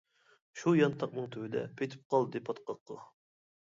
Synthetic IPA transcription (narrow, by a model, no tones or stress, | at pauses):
ʃujɑnt̪ʰɑq̚nɨŋt̪ʰøwɪd̪ɛ̰pʰejt̪ʰɪ̥p̚qʰɑlˠd̪ɨd̪ɨpʰɑt̪qɑqʰːə̰